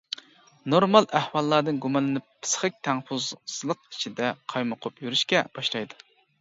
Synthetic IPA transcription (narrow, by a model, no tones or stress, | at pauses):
noɾmɑlˠæhwɑlˠːɑɾd̪ɨnɡumɑnlɨnɪp̚pʰɨ̥sχɨk̚ʲt̪ʰɛŋfuzz̥lˠəq̚it͡ʃʰid̪ɛqʰɑjmʊqʰʊpjyɾyʃkʲɛb̥ɑʃlˠɑjd̪u